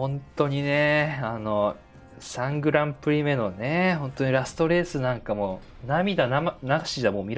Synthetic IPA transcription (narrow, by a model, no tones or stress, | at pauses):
hõ̞ntt̪o̞ɲ̟ine̞ano̞ | sãŋɡɯ̟ɾãmpɯ̟ɾʲime̞no̞ne̞ɦõ̞nt̪o̞ɲ̟iɾasɨ̥t̪o̞ɾe̞ːsɨnãŋkamo | namʲid̪anamanaɡaɕidamoːmʲiɾ